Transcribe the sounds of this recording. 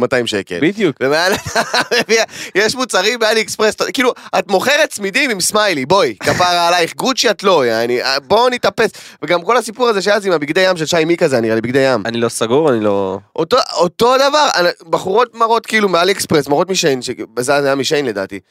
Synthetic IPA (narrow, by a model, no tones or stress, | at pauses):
mataimʃe̞ke̞̰lbid̪jukvemealmeviajeʃmut͡saʁimbealiekspʁestakiːluatmo̞χe̞ʁetsmidimimsmajlibo̞jkafaʁaːlajiχɡudt͡ʃiatlojaniabo̞nit̪apesveɡamko̞lasipuʁazeʃ̬ejazimabiɡd̪ejamʃelʃajmikazeaniʁalibiɡd̪ejamanilosaɡuʁanilo̰ʔotoot̪o̞d̪avaʁanbaχuʁo̞t̚maʁo̞tkiːlumealekspʁesmaʁo̞tmiʃejnʃezazajamiʃejnle̞d̪a̰ːt̪ḭ